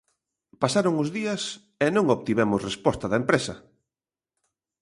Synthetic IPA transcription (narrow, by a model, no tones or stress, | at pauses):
pasaɾʊŋʊzðiɐs | ɛnõŋoβt̪iβɛmʊsrespɔst̪ɐðɐempɾesɐ